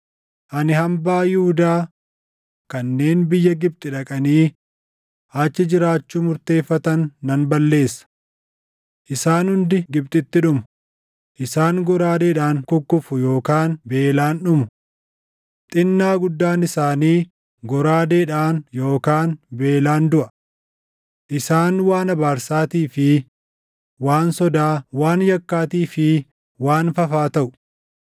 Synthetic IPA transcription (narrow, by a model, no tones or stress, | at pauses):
ʔɐnɪhɐmbaːjuːd̪aː | kɐnːe̞ːnbɪjːɐɡɪb̚t̪ʼɪᶑɐkʼɐniː | ʔat͡ʃːɪd͡ʒɪɾaːt͡ʃːuːmʊɾt̪e̞ːfːɐt̪ɐnːɐnbɐlːe̞ːsːɐ̥ | ʔɪsaːnhʊnd̪ɪɡɪb̚t̪ʼɪt̪ːɪᶑʊmʊ | ʔɪsaːŋɡɔɾaːd̪eːᶑaːŋkʊkːʊfʊjo̞ːkaːnbe̞ːlaːnᶑʊmʊ | t̪ʼɪnːaːɡʊd̪ːaːnɪsaːniː | ɡɔɾaːd̪eːᶑaːnjo̞ːkaːnbe̞ːlaːnd̪ʊʔɐ | ʔɪsaːnwaːnɐbaːɾsaːt̪iːfɪ | waːnsɔd̪aːwaːnjɐkːaːt̪iːfɪ | waːnfɐfaːt̪ɐʔʊ̥